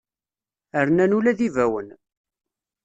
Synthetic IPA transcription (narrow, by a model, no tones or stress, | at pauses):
əɾnænulæðivæwən